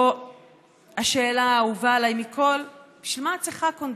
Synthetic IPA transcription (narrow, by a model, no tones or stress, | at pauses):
aʃeːlaːuvalajmikʰo̞lb̥iʃvilmat͡siχakond